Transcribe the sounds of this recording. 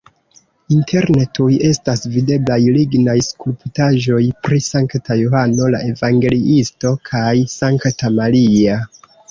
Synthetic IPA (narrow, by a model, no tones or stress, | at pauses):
intʰe̞ɾnetuje̞stasvide̞blajliɡnajskulptaʒo̞jpɾisaŋktajohano̞la̰ʔe̞vaŋɡe̞liʔisto̞kʰajsaŋktamalia